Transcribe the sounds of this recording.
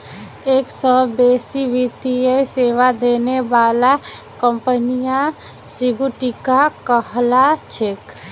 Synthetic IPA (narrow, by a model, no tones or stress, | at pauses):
eksəbesiʋit̪ijəseʋad̪enebala | kəmpənija | siɡuʈikakəɦlat͡ʃʰek